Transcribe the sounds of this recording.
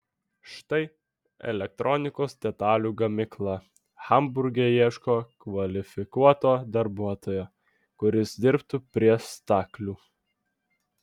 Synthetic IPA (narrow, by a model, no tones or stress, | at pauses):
ʃt̪ɐɪ | ɛ̰lʲɛk̚t̪ɾʔɔnʲɪkoːsd̪ʲɛt̪ɑːlʲuːɡɐmʲɪklˠɑ | xɐmbʊɾʲɡʲɛːjiɛʃkoːkʋɐlʲɪfʲɪkuɔt̪oːd̪ɐɾbuɔt̪oːjoː | kʊɾʲɪsd̪ʲɪɾpt̪upʲɾʲiɛst̪ɑːklʲuː